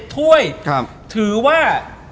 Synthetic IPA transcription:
t̪ʰu˥˩əjkʰa˥˩ | t̪ʰɯː˩˦waː˥˩

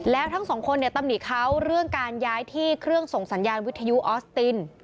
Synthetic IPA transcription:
lɛː˦˥wt̪ʰa˦˥ŋsɔː˩˦ŋkʰo˧nːi˧˩ət̪a˧mni˨˩kʰa˦˥wɾɯ˥˩əŋkaː˧njaː˦˥jt̪ʰiː˥˩kʰɾɯ˥˩əŋso˨˩ŋsa˩˦njaː˧nwi˦˥t̪ʰːa˧ju˦˥ʔɔː˦˥st̪i˧n

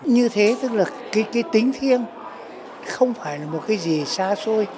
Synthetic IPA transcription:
ɲɨ˧t̪ʰe˨˦t̪ɨ˦˥k̚laː˨˩kaː˨˦jkaː˨˦jt̪ï˨˦ŋ̟t̪ʰi˧ən | xə˧wŋ͡mfaː˧˩jlaː˨˩mo˨˩t̚kaː˨˦jzi˨˩saː˧so˧j

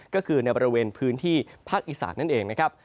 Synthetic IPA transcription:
kɔː˥˩kʰɯː˧na˧jbɔː˧ɾi˧weː˧npʰɯː˦˥nt̪ʰiː˥˩pʰaː˥˩k̚ʔiː˧sa̰ː˩˦nːa˥˩nʔeː˧ŋna˦˥kʰɾa˦˥p̚

